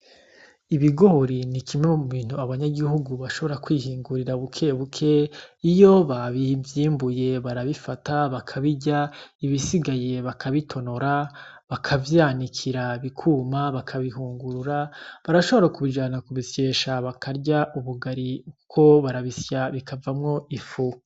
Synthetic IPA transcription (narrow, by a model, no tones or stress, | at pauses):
iβiɡo̞hoɾinikimemuβiːn̥huaβaɲaɡihuɡuβaʃo̞βo̞ɾakwiːhiːŋɡuɾiɾaβukʰe̞βukʰe̞ijo̞βaβivjiːmbuje̞βaɾaβifataβakʰaβiɟaiβisiɡaje̞βakʰaβitʰo̞no̞ɾa | βakʰavjaːnikʰiɾaβikʰumaβakʰaβiɦuːŋɡuɾuɾaβaɾaʃo̞βoɾakuβiʒaːnakuβisjeʃaβakʰaɾɟaʔuβuɡaɾiukʰo̞βaɾaβisjaβikʰavamŋo̞ifu